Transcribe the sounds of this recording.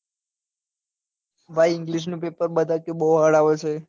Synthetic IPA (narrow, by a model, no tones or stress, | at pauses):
ʋajɪŋɡliʃ̬nũpepəɾɓəd̪ʱakebəɦuɦəɽaʋet͡ʃʰe